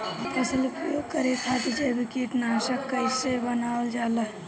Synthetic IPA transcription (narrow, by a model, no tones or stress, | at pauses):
k̪əselupɾəjoɡ̚kəɾet̪ʰat̪id͡ʒəbikeʈnasəkːəɪsebənaold͡ʒaləɦ